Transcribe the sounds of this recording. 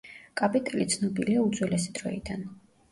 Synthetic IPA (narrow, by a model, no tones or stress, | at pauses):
kʼapʼit̪ʼɛlit̪sʰnɔbiliaud̪zʼwɛlɛsid̪ɾɔ̰ḭd̪an